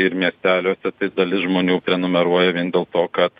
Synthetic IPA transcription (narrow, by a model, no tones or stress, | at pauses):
ɪɾmʲiɛsʲt̪ʲæːlʲoːsʲɛt̪ɐɪd̪ɐlʲɪsʒmoːnʲuːpʲɾʲɛnʊmʲɛɾuɔjɛʋʲiɛnd̪ʲeːlˠt̪oːkɐt̪